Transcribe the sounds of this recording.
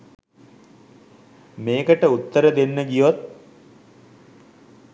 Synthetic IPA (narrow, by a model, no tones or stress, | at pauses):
meːkəʈəut̪ːəɾəd̪enːəɡijʋot̪̚